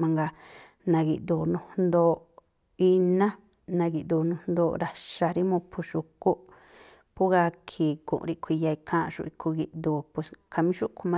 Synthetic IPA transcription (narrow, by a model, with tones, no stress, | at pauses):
mã˧ŋɡa˧ | nã˧ɣi˧˨ʔd̪u˨nũ˧nd̪o˧ | i˧nã˦ | nã˧ɡi˧ʔd̪u˧˨˧nũ˧nd̪o˧ɾa˧ʃa˧ɾi˦mõ˧pʰu˧ʃu˧ko˦ | pu˦ɣa˧kʰi˨kṵ̃˨ʔɾi˧kʷʰi˧ja˧i˧kʰã˦˧ʃṵ˧i˧kʰu˧ɡi˧ʔd̪u˧˨pu˧skʰa˧mĩ˦ʃu˦kʰu˧mã˦